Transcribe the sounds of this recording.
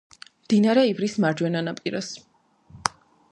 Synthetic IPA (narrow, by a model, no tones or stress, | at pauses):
md̪̥inaɾɛivɾismaɾd͡ʒwɛnanapʼiɾas